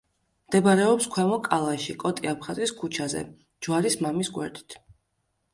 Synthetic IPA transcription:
md̪̥ɛbɾɛɔpskʰwɛmɔkʼalˠaʃikʼɔt̪ʼiapʰχaziskʰut͡ʃʰazɛ̰ | d͡ʒwaɾismamisɡwɛ̰ɾd̪i̥t̪ʰ

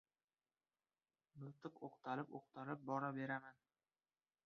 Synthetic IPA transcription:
mɪlˠt̪ʰɨqoqt̪ʰalɪpoqt̪ʰalɪp̚bɒɾabe̞ɾaman

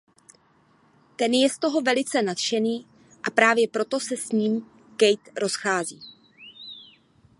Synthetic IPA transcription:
t̪ɛnjɛst̪o̞ɦo̞vɛlɪt͡sɛnat̪ʃɛniː | ʔapɾaːvjɛpɾo̞t̪o̞sɛsɲiːm | kɛjt̪ɾo̞sxaːziː

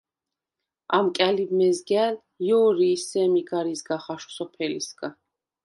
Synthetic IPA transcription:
amkʼalibmɛzɡɛl | jɔːɾiːsɛmiɡaɾizɡaχaʃu̥sɔpʰɛlḭsɡa

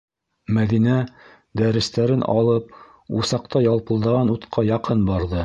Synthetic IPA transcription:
mæðinæ | d̪æɾɘ̆st̪æɾɘnʔɑ̰lˠɤp | usɑqt̪ɑjɑlˠpɤ̆lˠd̪ɤ̆ʁɑnut̪qʰɑjɑqɤnbɑɾðɤ

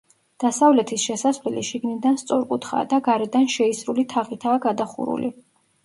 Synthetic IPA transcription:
d̪̥asavlɛt̪ʰisʃɛsasvlɛliʃiɡnid̪anst̪sʼɔɾkʼut̪ʰχa̰d̪aɡaɾɛd̪anʃɛisɾulit̪ʰaʁit̪ʰaːɡad̪aχṵɾṵlʔḭ

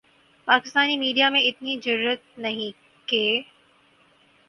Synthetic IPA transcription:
paːkɪst̪aːnimiːɖijamẽɪt̪nizɐɾuːɾət̪̚nɐɦĩ | keː

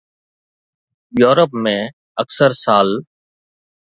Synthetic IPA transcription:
joːɾəpmẽː | əksəɾsaːl

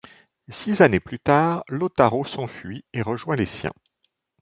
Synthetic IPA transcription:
sizaneplyt̪aːʁlot̪aʁosɑ̃fɥieʁəʒwɛ̃lesjɛ̰̃

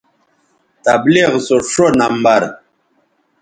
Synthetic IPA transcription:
t̪abliɣsoʂonambaɾ

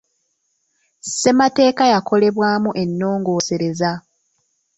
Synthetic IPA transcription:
se̞mate̞ːkajako̞le̞βwaːmuʔe̞nːo̞ːŋɡo̞ːse̞ɾe̞za

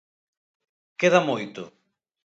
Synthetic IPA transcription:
keðamojt̪ʊ

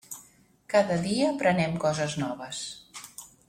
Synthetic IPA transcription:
kaðəðiəːpɾənɛmkɔzəznɔβəs

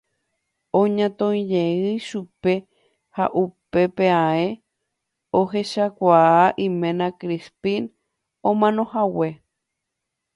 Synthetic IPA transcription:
õɲãt̪õj̃d͡ʒeɨjʃupe̞ | ha̰ʔupe̞peae | oɦe̞ʃakʷaaʔĩmẽnãkɾispin | õmãnõ̞hawe̞

